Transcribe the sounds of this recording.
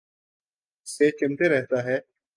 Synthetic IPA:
set͡ʃɪmt̪eɾɛɦt̪aɦɛː

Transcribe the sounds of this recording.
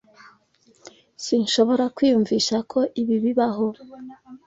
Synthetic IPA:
sinʃo̞βo̞ɾakwiːjuɱviʃakʰo̞ʔiβiβiβaɦo

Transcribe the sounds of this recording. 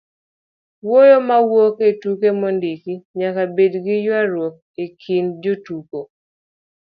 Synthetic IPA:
wojomawoketukemɔndikiɲakabedɡɪjwaɾwok̚ekʰind͡ʒotuko

